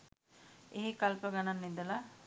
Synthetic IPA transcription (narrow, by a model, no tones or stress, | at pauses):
eɦikɐlpɐɡɐnanːid̪ɐla